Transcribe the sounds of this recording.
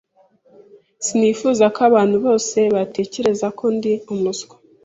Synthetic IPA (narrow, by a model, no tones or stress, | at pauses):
sinifuːzakaβaːn̥huβo̞ːse̞βate̞ːce̞ɾe̞zakʰo̞ndiumusɡe̥